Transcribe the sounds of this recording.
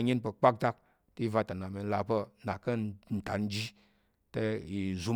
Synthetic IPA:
ɲe˦npə˧k͡pa˦k̚ta˦k̚ | ti˦i˦va˧˨ta˨na˨me˧˦la˨pə˧na˨kə˦n̩˨ta˨n˦d͡ʒi˦ | te˦i˨zu˨˧

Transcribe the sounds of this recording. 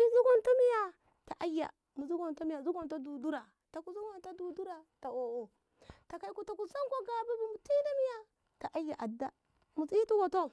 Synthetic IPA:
i˦zu˦ɡo˦nta˦mi˦ja˨ | ta˨ʔa˦jːa̰˨ | mu˨zu˦ɡo˨nta˦mi˦ja˨zu˦ɡo˨nta˦du˨du˦ɾa˨ | ta˨ku˨zu˦ɡo˦nta˦du˨du˦ɾa˨ta˨o˨o˨ | ta˨ka˦i˦ku˦ta˨ku˨sa˦ŋko˦ɡa˨bi˦bi˦mu˨ti˦da˦mi˦ja˦ | ta˨ʔa˦jːa˨ʔa˨da˦ | mu˨si˦tu˦ɡo˨to˦

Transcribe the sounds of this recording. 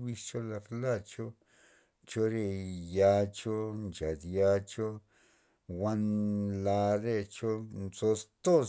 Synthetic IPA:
wi˧st͡ʃo˦la˧ɾla˦˨t͡ʃo˦ | t͡ʃo˦ɾe˧ja˧t͡ʃo˦nt͡ʃa˨d̪ja˧t͡ʃo˦ | wa˦nla˧ɾe˧t͡ʃo˦nzo˧st̪o˦

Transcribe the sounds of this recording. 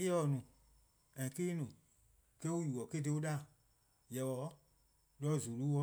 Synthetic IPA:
e˦ɔ˧˨nũ˨ | ɛ̃˨keː˦nũ˨ | kɛ˦o˦juː˨ɔ˨ke˦de˧˦o˦ɗa˦˨ | jɛ˨wɔ˨˦ | lɔ˦˨zu˨lu˦wɔ˦

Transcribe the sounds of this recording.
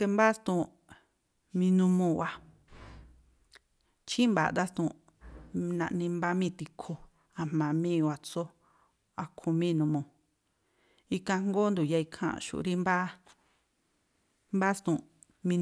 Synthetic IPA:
ke˧mba˦st̪ũ˧˨ | mĩ˧nũ˧mõ˧˨wa˧ | t͡ʃĩ˦mba̰˨d̪a˦st̪ṵ̃˧˨˧ | nã̰˧ʔnĩ˧mba˦mĩː˦˨t̪i˧kʰo˧ | a˧m̥ã˨˧mĩː˦˧wa˧t͡so˦ | a˧kʰõ˧mĩː˦˧nũ˧mõ˨ | i˧kã˧ŋ˦ɡo˦nd̪u˨ja˧i˧kʰã̰˧˨˧ʃṵ˧˨˧ɾi˦mba˦ | mba˦st̪ũ˧˨ | mĩ˧

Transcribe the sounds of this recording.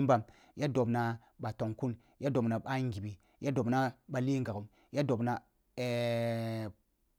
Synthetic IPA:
m˦ba˦m | ja˦do˨bna˨ | ɓa˨to˨ŋku˦n | ja˦do˨bna˨ɓa˦ŋ˦ɡi˨bi˨ | ja˦do˨bna˦ɓa˨li˦ŋɡa˨ku˨m | ja˦do˨bna˨ | e˨

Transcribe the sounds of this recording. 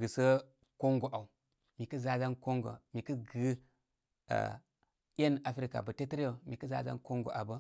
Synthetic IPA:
ɡɨ˨sə˦ | ko˦ŋɡo˨ʔa˨u˨ | mi˨kə˦za˦za˦nko˦ŋɡo̰˨mi˨kə˦ɡɨ˦ | a̰˨ | jʲe˦na˨fɾi˦ka̰˨bə˨te˦tə˦ɾa˨mi˨kə˦za̰˦za̰˦nko˦ŋɡo̰˨ʔa˨bə˦

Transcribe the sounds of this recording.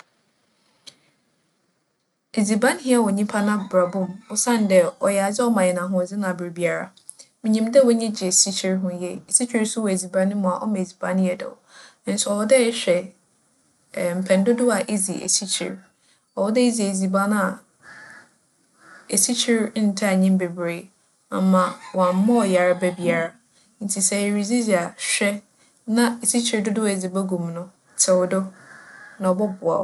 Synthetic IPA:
e˨zi˨bã˦n˦hi˦a˦˨wɔ˨ɲĩ˦pʰa˦nã˦ba˨bʊ̃˦˨mɔ˦sã˦˨n˦dɛ˨ɔ˨jɛ˨a˨d͡ʑɪ˦ɔ˦mã˨jɛ˨nã˨ɦʊ̃˦ɔ˨d͡zɪ˦nã˨bɾe˨bi˨a˨ɾa̰˦ | mɪ̃˨ɲĩ˨m˦dɛ˦wɔ˦ɲĩ˦d͡ʑɪ˨e˨si˦t͡ɕʰi˦ɾɦʊ̃˦jɛ˦˨e˨si˦t͡ɕʰi˦ɾsʊ˦wɔ˨e˨zi˨bã˦nɪ̃˦mʊ̃˨a˨ʔɔ̰˦mã˨e˨zi˨bã˦nhi˦ɛ˦dɛ̰˨ɔ̰˨˦ | n̩˦sʊ˨˦ɔ˨ɔ˦dɛ˦ɕᶣɛ˨ | m̩˨pʰɛ̃˨n˦dʊ˦dʊ˦a˨ʔe˦zi˨ʔḛ˨si˦t͡ɕʰḭ˨ɾ | ɔ˨wɔ˦dɛ˦e˦zi˨e˨zi˨ba˦nʊ̃˦a˨ | e˨si˦t͡ɕʰi˦ɾn̩˨˦tʰa˦a˨ɲĩ˦m˦be˨bɾeː˦ | a̰˨mã˨wɔ˨ã˨m̩˦mɔ̃˦ɔ˨ja˨ɾa˦bɛ˦bi˦a˨ɾa˦ | n̩˨˦tʰi˨sɛ˨e˨ɾi˨d͡zi˦zi˨a˨ɕᶣɛ˦ | nã˦e˨si˦t͡ɕʰi˨ɾdʊ˦dʊ˦a˨e˨zi˨ba˦ɡũ˨mnʊ̃˦ | tʰɛ˨wɔ˨dʊ˦ | nã˨ɔ˨bɔ˦bʊ˨a̰˨

